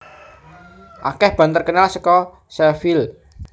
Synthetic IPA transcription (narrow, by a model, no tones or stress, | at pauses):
ʔa̰kɛhb̥a̤nt̪ərkənalsəkɔ | sɛfil